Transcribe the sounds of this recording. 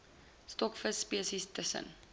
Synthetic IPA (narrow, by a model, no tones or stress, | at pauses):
stɔkfəsːpiəsistəsə̰n